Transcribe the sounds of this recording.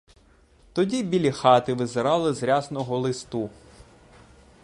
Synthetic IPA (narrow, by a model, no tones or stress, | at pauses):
t̪ɔdʲibʲilʲixɑt̪ɪʋɪzeɾɑlˠɪzɾʲɑznɔɦɔlˠɪst̪u